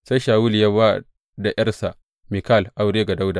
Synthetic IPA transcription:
sa˦ʃaː˨wu˦ljɐ˦wa˦ | da˨jɐ˦rsa˨ʔ | mi˨kaː˦˨lʔa˦˨wɽeː˦ɡa˨da˦wda˨

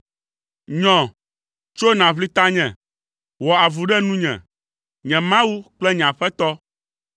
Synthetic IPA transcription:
ɲɔ̃˨ | t͡ʃo˦nã˨βli˦t̪a˦ɲɛ̃˨ | wɔ˨a˨vu˨ɖɛ˦nũ˦ɲɛ̰̃˨ | ɲɛ̃˨mã˦wu˦k͡plɛ˦ɲ̃˨ã˨ɸɛ˦t̪ɔ˦

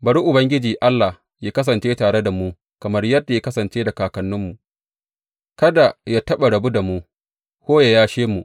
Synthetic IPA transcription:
bɐ˨ɽu˦ʔʊ˨bɐ˦ŋɡʲɪ˦d͡ʒiː˨ʔa˦lːa˨ | jaː˦kɐ˦s̬ɐ˨nt͡ʃeː˦taː˨ɽe˦da˨muː˦ | kɐ˨mɐ˦rjɐ˦da˨ja˦kɐ˦sɐ˨nt͡ʃeː˦da˨kaː˨kɐ˨nːʊ˦mːu˨ | kɐ˦da˨ja˦tɐ˦ɓa˨ɽɐ˨bu˦da˨muː˦ | kʷoː˦ja˨jaː˦ʃeː˦mu˨ʔ

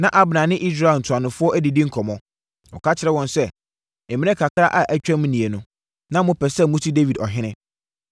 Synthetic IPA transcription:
nã˨ʔa˦bnã˨nɪ̃˦ʔi˦s̬ɾa˨n̩˨tʰʊ˨a˨nʊ̃˨fʊ˦ɔ˦ʔæ˦di˨dĩ˦ŋ̩˦kʰɔ˨mɔ̃˦ | ɔ̰˨kʰa˦t͡ɕʰɪ˨ɾɛ˦wɔ̃˦˨nsɛ˦ | ɪ˨mɪ̃˦nɛ̃˦kʰa˨kʰɾa˦ʔa˨ʔæ˨t͡ɕᶣã˦m̃˦nĩ˨e˨nʊ̃˦ | nã˦mʊ̃˦pʰɛ˨sɛ˦˨mʊ̃˦tʰi˦de˦vi˨dɔ˨ɦɪ̃˦nɪ̃˦

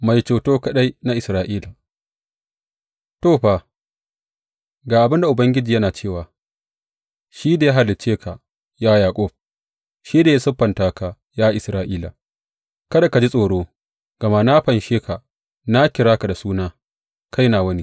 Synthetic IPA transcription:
ma˨jt͡ʃoː˨toː˦kɐ˦ɗa˦jna˦ʔɪ˨sɾaː˨ʔiː˦la˨ | toː˦˨ɸa˨ | ɡaː˨ʔa˨bɪ˦nda˨ʔʊ˨bɐ˦ŋɡʲɪ˦d͡ʒiː˨jɐ˦naː˨t͡ʃeː˦˨waː˨ | ʃiː˦da˨ja˦ɦa˨lːɪ˨t͡ʃeː˦kʰa˨ | jaː˦jaː˨kʷʼɔ˦˨ɸ̚ | ʃiː˦da˨ja˦sʊ˦ɸɐ˨ntaː˦ka˨ | jaː˦ʔɪ˨sɾaː˦ʔiː˦la˨ | kɐ˦da˨ka˨d͡ʒi˦sʼoː˨ɽoː˦ | ɡ̥ɐ˨ma˦na˦ɸɐ˨nʃeː˦ka˨ | na˦kʲɪ˨ɾaː˦ka˨da˨suː˦naː˦ | kʰa˦jnaː˨wɐ˦ni˦

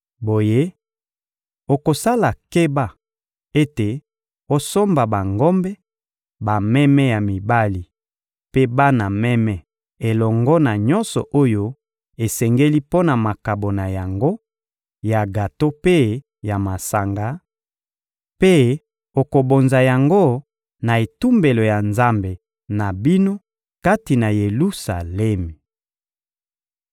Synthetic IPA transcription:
bo˨je˦ | o˨ko˨sa˦la˨ke˦ba˦ | e˦te˨ | o˦so˦mba˨ba˨ŋɡɔ˦mbɛ˦ | ba˨mɛ˦mɛ˦ja˨mi˨ba˦li˨ | pe˦ba˦na˨mɛ˦mɛ˦ | e˨lɔ˨ŋɡɔ˦na˨ɲɔ˦nsɔ̰˨ʔo˦jo˦ | e˨sɛ˨ŋɡe˦li˦po˦na˨ma˨ka˨bo˨na˨ja˨ŋɡo˦ | ja˨ɡa˨to˦pe˦ | ja˨ma˨sa˨ŋɡa˨˦ | pe˦ | o˨ko˨bo˨nza˨ja˨ŋɡo˦ | na˨e˨tu˦mbe˨lo˨ja˨nza˦mbe˨ | na˨bi˦no˦ | ka˦ti˨na˨je˨lu˦sa˨lɛ˦mi˨

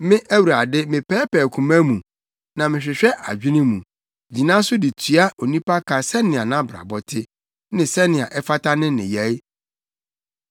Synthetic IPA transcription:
mɪ̃˦ʔæ˦wu˨ɾa˨dɪ˦mɪ̃˨pʰɛː˦pɛː˨kʰũ˨mã˦mũ˨ | nã˨mɪ̃˨ɕᶣɪ˨ɕᶣɛ˦ʔa̰˨d͡ʑᶣɪ˦nɪ̃˦mũ˨ | d͡ʑi˨nã˦sʊ˦dɪ˨tʰɥa˦ʔo˨nĩ˦pa˦kʰa˨sɛ˦nɪ̃˨a˨nã˦bɾa̰˨bɔ˦tʰɪ˦ | nɪ̃˨sɛ˦nɪ̃˨a˨ʔɛ˦fa˦tʰa˦nɪ̃˦nɪ̰̃˨jæ˦

